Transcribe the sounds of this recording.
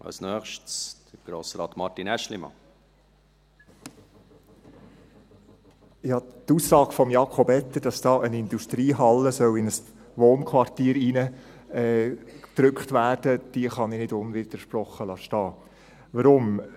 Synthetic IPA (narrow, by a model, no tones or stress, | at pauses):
ɑ̰snœːχʃtsd̪̥əɡ̥ɾoːsɾɑ̰ːt̪mɑɾtinæʃlimɑ̰ | ɪɑt̪uːsːɑːɡ̥fɔmjɑkʰɔbɛt̪ːəd̥ɑsd̥ɑːʔənɪnd̪uʃtɾiːɦɑlːəsœwɪnəs | ʋoːnkʰʋɑrtiːəɾinə | ɛːkd̪̥ɾʏkχtʋæːrd̥əd̥iəχɑninɪdʊnʋɪd̪̥əɾʃpɾɔχəlɑʃtɑː | ʋəɾʊm